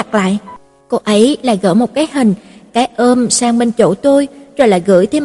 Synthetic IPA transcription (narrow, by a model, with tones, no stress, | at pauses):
a˨˩k̚la̰ː˧˨jʔ | ko˧ʔə˨˦jlaː˨˩jɣə̰ː˧˩mo˨˩t̚kaː˨˦jɦï˨˩ŋ̟kaː˨˦jʔəː˧msaː˧ŋɓe˧nt͡ɕo̰˧˩t̪u˧jzɔ˨˩la̰ː˧˨jɣɨ̰˧˥jt̪ʰe˨˧